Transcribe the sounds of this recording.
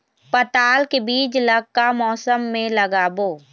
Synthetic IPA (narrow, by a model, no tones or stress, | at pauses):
pət̪aːlkebiːt͡ʃləɡ̚kamɔːsəmːẽləɡaːboː